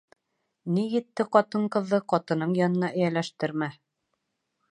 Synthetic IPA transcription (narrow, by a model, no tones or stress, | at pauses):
nijɘ̆t̪ːɘqɒt̪ɤɴqɤ̆ðːɤqɒt̪ɤ̆nɤɴjɒnɤ̆nɑʔɘ̆jælæʃt̪ɘ̆ɾmæ